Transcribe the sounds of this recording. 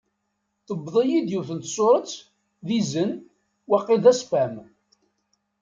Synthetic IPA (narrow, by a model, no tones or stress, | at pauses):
θəbðˤəjid̪juθənt̪sʊɾˤət͡s | ðizən | wæqːɪðæsfæm